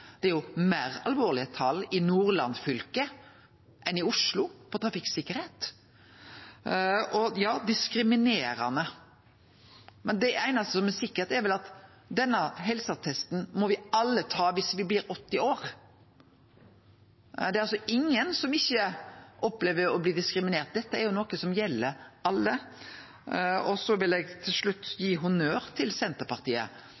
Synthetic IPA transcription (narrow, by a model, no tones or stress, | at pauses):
d̪̥ɛɛɾjʊmæːɾɑ̰lʋoːɾlɪət̪ʰɑlɪnuːɾlɑ̰nfʏlkə | ʔɛnɪʊʂlʊpʰɔt̪ʰɾɑfɪksɪkːəɾheːt̪ | ɔjɑːd̪ɪskɾɪmɪneːɾɑ̰nə | mɛnd̪ɛʔæɪnɑst̪əsɔmɛsɪkːəɾt̪ɛɾʋɛlɑt̪ | d̪ɛnːəɦɛlsəɑt̪ʰɛst̪n̩mɔʋɪɑlːət̪ʰɑːʋɪsʋɪblɪːɾɔt̪ːɪoːɾ | d̪ɛɾɑlsɔɪŋːənsɔmɪçːəʔɔpːleːʋəɔbliːd̪ɪskɾɪmɪneːɾt̪̚d̪ɛt̪ːəæɾjʊnɔkəsɔmjɛlːəɾʔɑlːə | ɔsɔʋɪlɛɡt̪ʰɪlʂɭʉt̪ːjiːɦʊnøːɾt̪ʰɪlsɛnt̪əɾpɑɾt̪ʰiːə̰